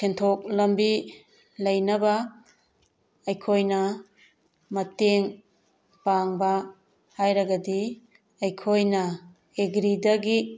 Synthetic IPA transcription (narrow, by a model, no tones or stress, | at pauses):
kʰentʰok̚lɐmbi | lɐjnɐbɐ | ɐjkʰojnɐ | mɐteŋ | paŋbɐ | hajɾɐɡɐdi | ɐjkʰojnɐ | eɡɾidɐɡi